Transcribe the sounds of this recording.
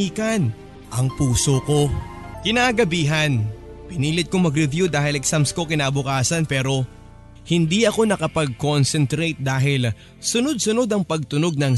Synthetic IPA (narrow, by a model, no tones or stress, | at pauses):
iːkɐn | ʔɐŋpuːso̞ko̞ | kɪnaɡɐbiːɦɐnpɪniːlɪt̪̚komɐɡɾɪvjud̪aːhɪlɛksamsko̞kɪnaːbʊkaːsɐnpɛːɾo̞ | hɪnd̪iʔɐko̞nɐkɐpɐɡ̚ko̞nsɛnt̪ɾet̪̚d̪aːɦɪl | sʊno̞d̪̚sʊno̞d̪ɐŋpɐɡ̚t̪ʊno̞ɡ̚nɐŋ